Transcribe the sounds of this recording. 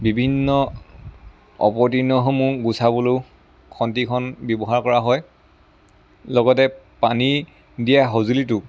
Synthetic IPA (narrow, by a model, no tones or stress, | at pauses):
bibʱinːɔ | ɔ̰pɔt̬inːɔɦɔmuɡusʰabulo | kʰɔntikʰɔnbjɔbɔɦaɹkɔɹaɦɔj | lɔɡɔtɛpani | dijaɦozulitʊ